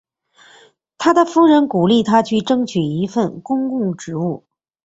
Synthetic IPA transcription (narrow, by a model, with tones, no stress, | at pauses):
t̪ʰa˥d̪ə˨fu˥ɻə˧˥nku˨˩li˥˩t̪ʰa˥t͡ɕʰy˥˩ʈ͡ʂɤ˥ŋt͡ɕʰy˨˩i˧˥fə˥˩nkʊ˥ŋkʊ˥˩ŋʈ͡ʂɻ̩˧˥u˥˩